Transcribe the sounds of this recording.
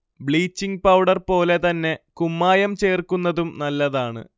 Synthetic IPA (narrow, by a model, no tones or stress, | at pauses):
bɭiːt͡ɕːiŋɡ̚pɐwɖɐrpo̞ːle̞t̪ɐnːe̞kumːaːjɐmt͡ɕe̞ːrkunːɐðumnɐlːɐðaːɳɨ̰